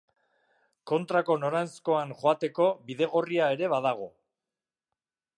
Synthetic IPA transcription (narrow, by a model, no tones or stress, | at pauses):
ko̞nt̪ɾako̞no̞ɾajnsko̞aŋʝoat̪e̞ko̞βiðe̞ɣ̞o̞riae̞ɾe̞βaðaɣ̞o̞